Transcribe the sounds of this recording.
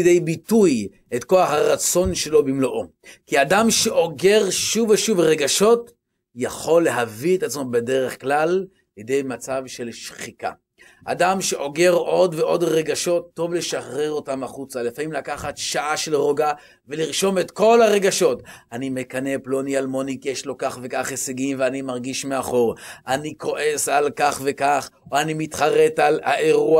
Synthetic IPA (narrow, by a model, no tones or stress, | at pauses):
dejbituj | etko̞aχhaʁat͡so̞nʃe̞lo̞bimloʔo | kiadamʃeʔo̞ɡe̞ʁʃuveʃuvʁe̞ɡaʃo̞t | jaχo̞lːe̞ɦavietat͡smo̞be̞de̞ʁeχklal | lede̞jmat͡savʃe̞lʃχika̰ | ʔa̰damʃe̞ʔo̞ɡe̞ʁo̞dveʔo̞dʁe̞ɡaʃo̞t̪ːo̞vle̞ʃaχʁe̞ʁo̞tamaχut͡sale̞famimlakaχat̪ʃaʔaʃe̞lʁoɡa | veliʁʃo̞metko̞laʁe̞ɡaʃo̞tanime̞kane̞plo̞nialmo̞nikjeʃlo̞kaχve̞kaχeseɡimveanimaʁɡiʃmeaχo̞ʁaniko̞ʔe̞salkaχve̞kaχoanimitχaʁe̞tala̰ʔeʁua